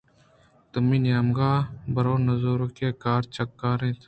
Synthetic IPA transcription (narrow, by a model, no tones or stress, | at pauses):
t̪ʊmiːnjaːmɡaːbɐɾoːnɐzoːɾokeːkaːɾt͡ʃɐkːaːɾẽːt̪ʰ